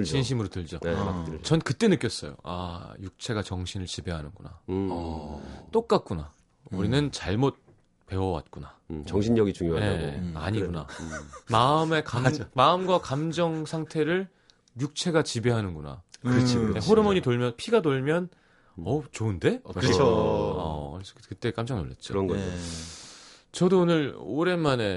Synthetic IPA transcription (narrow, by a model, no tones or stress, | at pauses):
ɕʰinɕ̬ʰimɯɾotɯɭd͡ʑot͡ɕʌnkɯt͈e̞nɯk͈jʌs͈ʌjo̰a̰juk̚t͡ɕʰe̞ɡat͡ɕʌŋɕʰinɯɭt͡ɕibe̞ɦanɯnɡuna̰ | t͈ok̚k͈at̚k͈una | uɾinɯnt͡ɕaɭmot̚ | pe̞wʌwa̰t̚k͈unat͡ɕʌŋɕʰiɲɲʌɡit͡ɕuŋjoaeaa̰ɲiɡuna̰maɯme̞kammaɯmɡwakamd͡ʑʌŋsʰaŋtʰe̞ɾɯɭ | juk̚t͡ɕʰe̞ɡat͡ɕibe̞ɦanɯnɡuna̰kɯɾt͡ɕʰieɦoɾɯmʌɲitoɭmjʌnpʰiɡadoɭmjʌn | ʌt͡ɕoɯnde̞ | ʌ̰kɯɾesʰʌkɯt͈e̞k͈amd͡ʑʌŋnoɭːḛt̚t͡ɕ͈o̰nɡʌ | t͡ɕʌdoonɯɭo̰ɾe̞mane̞